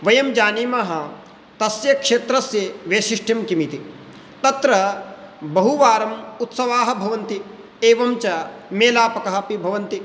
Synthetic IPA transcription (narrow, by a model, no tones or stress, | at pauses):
ʋɐjɐmd͡ʒaːniːmaɦɐ | t̪ɐsjɐkʂeːt̪ɾɐsjɐʋeːʃiʂʈʰɐmkimit̪i | t̪ɐt̪ɾɐ | bɐɦuʋaːɾɐmut̪sɐʋaːɦɐbʱɐʋɐnt̪i | eːʋɐmt͡ʃɐmeːlaːpɐkɐɦɐpibʱɐʋɐnt̪i